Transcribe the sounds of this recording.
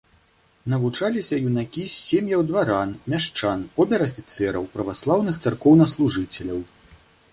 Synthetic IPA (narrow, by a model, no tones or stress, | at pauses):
nɐvut͡ʂalʲisʲɐjunakʲiːemʲjɐwd̪vaɾanmʲaʂt͡ʂanɔbʲɛɾɐfʲit̪sɛɾɐ̰wpɾɐvaslˠawnɨxt̪sarkɔwnɐslˠuʐɨt͡sʲɛlʲɐw